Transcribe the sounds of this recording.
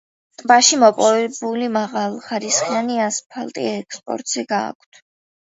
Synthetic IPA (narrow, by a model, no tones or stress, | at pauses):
t̪ʼbaʃimɔpʼɔvɛbulimaʁalˠχaɾisχianiaspʰalˠt̪ʼḭɛkspʼɔ̰ɾt̪ʼz̥ɛɡa̰ːkʷʰt̪ʰ